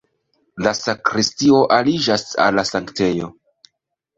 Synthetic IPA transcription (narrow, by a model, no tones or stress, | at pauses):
lasakɾistio̞ʔalid͡ʒasa̰lːasaŋkte̞jo̞̰